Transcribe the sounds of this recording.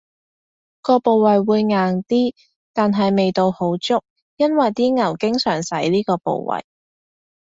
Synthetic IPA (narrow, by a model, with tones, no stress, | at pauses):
kɔː˧po˨wwɐ˨jwuː˨˧jŋaː˨ŋt̪iː˥ | t̪aː˨nɦɐ˨jme˨jt̪o˧who˨˥wt͡sʊ˥k̚ | jɐ˥nwɐ˨jt̪iː˥ŋɐ˨˩wkɪ˥ŋsœː˨˩ŋsɐ˨˥jliː˥kɔː˧po̰˨˧wwɐ̰˨˩j